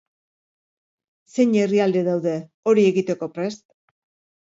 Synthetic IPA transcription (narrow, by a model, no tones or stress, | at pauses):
se̞ɲeriald̪eðawðe̞ | o̞ɾie̞ɣit̪e̞ko̞pɾe̞st̪